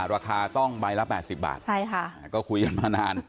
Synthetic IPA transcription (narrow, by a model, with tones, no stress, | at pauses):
ɾaː˧kʰaː˧t̪ɔ˥˩ŋbaː˧jla˦˥pɛː˨˩si˨˩p̚ba̰ː˨˩t̪t͡ɕʰa˥˩jkʰa˥˩a˧˩kɔː˥˩kʰu˧jka˨˩nmaː˧naː˧n